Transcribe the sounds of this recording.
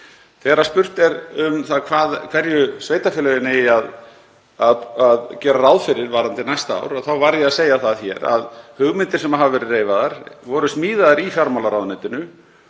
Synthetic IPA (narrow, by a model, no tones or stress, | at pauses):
θɛːɾḁspʏr̥t̪ɛɾʏmθaðkʰvaːðkʰvɛɾjʏsveːjt̪afɪlɛɣɪnɪað | aðaðcɛːɾaɾaːwðfɪɾɪɾvaːɾant̪ɪnajst̪aa̰ːwɾɔθawvaɾjɛaðseːjaθaðçɛɾa̰ðhʏɣmɪnt̪ɪɾ̥sɛmaɦavavɛːɾʏreːjvaðaɾvɔɾʏsmiːðaðaɾifjaɾmalaɾawðnɛjt̪ɪnʏ